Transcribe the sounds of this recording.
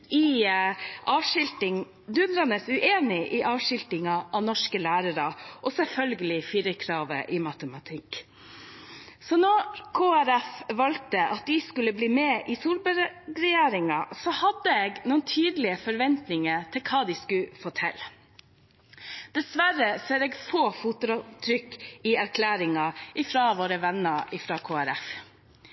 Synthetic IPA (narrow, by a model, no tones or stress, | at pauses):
ɪ | ʔɑːʋʂɪlt̪ɪŋ | d̪ʉnɾɑnəsʉʔeːnɪʔɪʔɑːʋʂɪlt̪ɪŋɑʔɑʋnɔʂkəlæːɾəɾɑʔɔsɛlfœlɡəlɪfiɾəkʰɾɑːʋə̰ʔɪmɑt̪əmɑt̪ʰɪkː | sɔnɔkʰoːæɾæfʋɑlt̪əʔɑt̪̚d̪ɪskʉlːəbliːmeʔɪsuːlbəɾɾɛjeːɾɪŋɑsɔhɑd̪əeːɡnuːənt̪ʰyːd̪əlɪəfɔɾʋɛnt̪nɪŋət̪ʰɪlkʰɑːd̪ɪskʉfɔtʰɛ̰l | d̪̥ɛsʋæɾəseːɾeːɡfoːfuːt̪ɾɔt̪ʰɾʏkːɪæɾkʰlæːɾɪŋɑʔɪfɾɑʋoːɾəʋɛnːəʔɪfɾɑkʰoːæɾæf